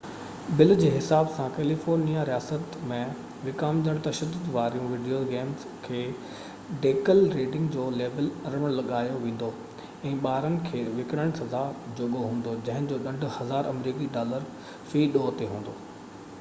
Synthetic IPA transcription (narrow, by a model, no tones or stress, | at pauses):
bɪld͡ʑeːɦɪsaːbsãkɛːlifoːɾnijaɾijaːsət̪mẽ | ʋɪkaːmd͡ʑəɽ̃t̪ɐʃəd̪ːʊd̪ʋaːɾijũʋɪɖijoɡeːmz | kʰeː | ɖeːkəlɾeːɖɪ̃ŋɡd͡ʑoːleːbəlɐɾəəɽ̃lɐɠaːjoʋẽːn̆d̪o | ɛ̃ːɓaːɾənɪ̆kʰeːʋɪkɽəɽ̃sɐzad͡ʑoɡoɦũːn̆d̪od͡ʑɐ̃ɦɪ̃d͡ʑoːɗɐ̃ɳɖʱʊ̆hɐzaːɾɐmɾiːkiɖaːləɾ | fiːɗoːt̪eɦũːn̆d̪oː